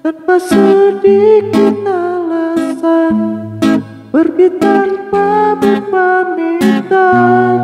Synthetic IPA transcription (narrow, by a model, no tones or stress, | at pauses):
t̪ənpasudikət̪əlasan | bərbit̪anpabəpamit̪a